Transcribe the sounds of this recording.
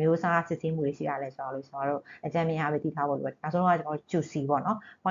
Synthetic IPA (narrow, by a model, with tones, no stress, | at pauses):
mjo˦sa˦a˦˨sɪ̰˦ʔse˦mu˦˨e˨ʃḭ˦˨a˨lɛ˨˦t͡ɕə˨ma˨˦ɾo̰˦˨t͡ɕəma˨ɹo̰˦˨ʔət͡ɕã˦˨mjɪ̃˨a˦bi˦t̪ḭ˦˨tʰa˦bo̰˦˨lo̰˨ɛ˨na˨sõ˦õ˦a˦˨t͡ɕə˨ma˦o˦˨t͡ɕu˨si˨bɔ̰˦˨nɔ̃˦˨